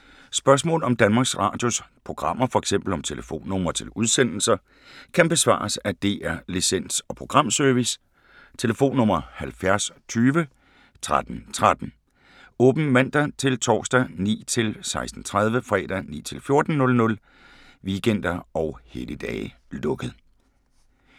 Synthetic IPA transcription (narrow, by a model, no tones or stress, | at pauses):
sb̥ɶɐs̬mɔ̰̽ːlɒ̽md̥ænmɑ̈ːɡ̥sʁɑ̰̈ːd̥jospʰʁo̝ɡ̥ʁɑ̈m̰ɐfɒ̽eɡ̥sem̰b̥l̩ɒ̽mt͡sʰe̝ləfo̝̰ːnːɔ̽m̰ɐt͡sʰe̝luð̞ˠsen̰l̩sɐ | kʰænb̥e̝sʋɑ̰̈ːsæd̥e̝ʔæɐlisen̰sɒ̽pʰʁo̝ɡ̥ʁɑ̈m̰søɐʋis | t͡sʰe̝ləfo̝̰ːnːɔ̽m̰ɐhælfjæɐst͡sʰyːʋə | t͡sʰʁad̥n̩t͡sʰʁad̥n̩ | ɔ̽ːb̥n̩mæn̰d̥æt͡sʰe̝lt͡sʰɒ̰ːsd̥ænḭːt͡sʰe̝lsɑ̈ɪsd̥n̩t͡sʰʁað̞ˠʋəfʁɛ̰ːd̥ænḭːt͡sʰe̝lfjo̝ɐd̥n̩nɔ̽lnɔ̽l | ʋiɡ̥en̰d̥ɐɒ̽ʊheləd̥ɛ̰ː | lɔ̽ɡ̥əð̩ˠ